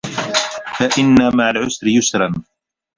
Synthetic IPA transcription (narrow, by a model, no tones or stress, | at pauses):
faʔɪnːamaʕalʕʊsɾɪjʊsɾˤɑn